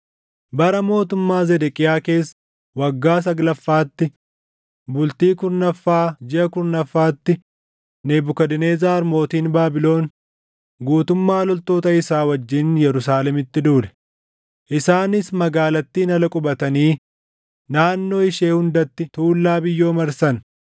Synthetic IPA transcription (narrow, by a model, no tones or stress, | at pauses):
bɐɾɐmo̞ːt̪ʊmːaːzɛd̪ɛkʼɪjaːke̞ːsː | wɐɡːaːs̬ɐɡlɐfːaːt̪ːɪ | bʊlt̪iːkʊɾnɐfːaːd͡ʒɪʔɐkʊɾnɐfːaːt̪ːɪ | neːbʊkɐd̪ɪneːzaːɐɾmo̞ːt̪iːnbaːbɪlo̞ːn | ɡuːt̪ʊmːaːlɔlt̪o̞ːt̪ɐɪsaːwɐd͡ʒːɪnjɛɾʊsaːlɛmɪt̪ːɪd̪uːlɛ̥ | ʔɪsaːnɪsmɐɡaːlɐt̪ːiːnɐlɐkʼʊbɐt̪ɐniː | naːnːo̞ːɪʃe̞ːhʊnd̪ɐt̪ːɪt̪uːlːaːbɪjːo̞ːmɐɾsɐn